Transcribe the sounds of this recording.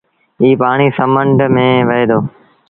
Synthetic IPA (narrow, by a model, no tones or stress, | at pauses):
iːpaːɽ̃iːsəməɳɖmẽːʋəɦeːd̪oː